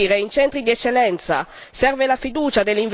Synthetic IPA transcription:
ɾeint͡ʃɛnt̪ɾid̪iɛt͡ʃːelːɛnt̪sa̰ | sɛrvelafid̪uːt͡ʃad̪elːiɱv

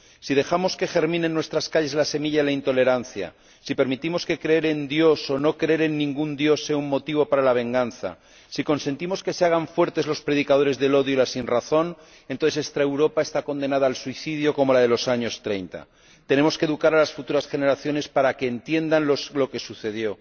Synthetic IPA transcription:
sið̞e̞xamo̞ske̞xe̞ɾmĩne̞nːwe̞st̪ɾaskaʎe̞zlase̞miʎailaint̪o̞le̞ɾan̟θja̰ | sipe̞ɾmit̪imo̞ske̞kɾe̞eɾend̪jo̞so̞no̞kɾeeɾe̞nːĩŋɡund̪jo̞sːe̞aummːo̞t̪iβ̞o̞paɾalaβ̞e̞ŋɡanθa̰ | siko̞nse̞nt̪imo̞ske̞seaɣ̞aɱfwe̞ɾt̪e̞zlo̞spɾe̞ðikað̞o̞ɾe̞zðe̞lo̞ðjoilasinraθo̞n | ent̪oθese̞st̪ɾaewɾo̞pae̞st̪ako̞nd̪e̞naðaːlsuiθiðjo̞ko̞mo̞lað̞e̞lo̞saɲo̞st̪ɾe̞jnt̪a̰ | t̪e̞ne̞mo̞skeðukaɾalasfut̪uɾasxe̞ne̞ɾaθjo̞ne̞spaɾake̞ːnt̪je̞nd̪anlolo̞ke̞suθe̞ð̞jo̞

